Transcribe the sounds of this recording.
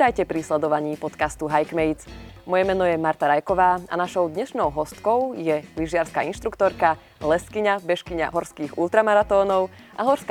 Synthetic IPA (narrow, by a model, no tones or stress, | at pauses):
ajcɛpɾislɛd̪ɔʋaɲiːpɔt̪kast̪uɦajkmɛjt͡smɔjɛmɛnɔjɛmaɾt̪aɾajkɔʋaːa̰naʃɔʊd̪ɲɛʃnɔʊɦɔst̪kɔʊjɛliʒɪaɾskaːinʃt̪ɾukt̪ɔɾka | lɛskiɲabɛʃkiɲa̰ɦɔɾskiːɣṵlt̪ɾamaɾat̪ɔːnɔʊ | ʔa̰ɦɔɾskː